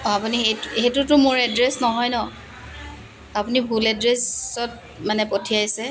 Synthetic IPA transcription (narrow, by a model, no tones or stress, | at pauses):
ɔapuniɦejtxejtʊtʊmʊɹɛdɹɛsnɔɦɔjnɔ | apunibʱulɛdɹɛsɔt̚ | manɛpotʰijajsɛ